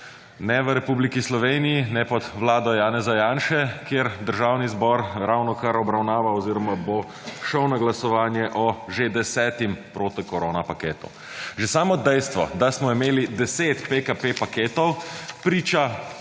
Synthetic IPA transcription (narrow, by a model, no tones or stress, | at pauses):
nɛʋəɾɛpublikislɔʋeːnijinɛpɔd̪ʋlaːd̪ɔjaːnɛzajaːnʃɛkjeɾd̪əɾʒaːwnizbɔɾɾawnɔkaɾɔbɾawnaːʋaɔziːɾɔmabo | ʃəwnaɡlasɔʋaːnjɛʔɔʒed̪ɛsɛːt̪impɾoːt̪ikɔɾoːnapakeːt̪ṵ | ʒesaːmɔd̪ɛjst̪ʋɔ̰d̪asmɔimeːlid̪ɛseːt̪pekapepakeːt̪ɔwpɾiːt͡ʃa